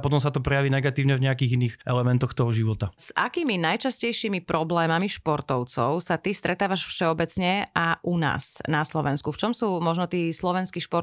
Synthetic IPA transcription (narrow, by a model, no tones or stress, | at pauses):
pɔt̪ɔmsat̪ɔpɾɛjaʋiːnɛɡat̪iːʊɲɛvɲɛakiːɣinːiːxʔɛlɛmɛnt̪ɔxt̪ɔɦɔʒiʋɔt̪az̥a̰kiːminajt͡ʃascɛjʃiːmipɾɔblɛːmamiʃpɔɾt̪ɔʊt͡sɔ̰ʊsat̪ist̪ɾɛt̪aːʋaʃfʃɛɔbɛt͡sɲɛʔaʔuna̰ːznaslɔʋɛnskuft͡ʃɔmsuːmɔʒnɔt̪iːslɔʋɛnskiʃpɔɾ